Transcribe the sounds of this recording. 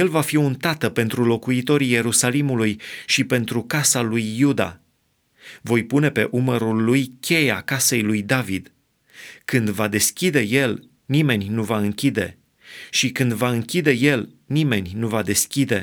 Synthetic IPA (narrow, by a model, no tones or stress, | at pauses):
je̞lvafiunt̪at̪əpe̞nt̪ɾulo̞kuit̪o̞ɾije̞ɾusalimulujʃipe̞nt̪ɾukasalujːud̪a̰ | vo̞jpune̞pe̞ʔuməɾulːujkʲʰe̞ja̰kase̞jlujd̪avid̪ | kɨnd̪vad̪e̞skʲid̪e̞je̞l | nime̞nʲnuvaɨŋkʲid̪e̞̰ | ʃikɨnd̪vaɨŋkʲid̪e̞je̞l | nime̞nʲnuvad̪e̞skʲid̪e̞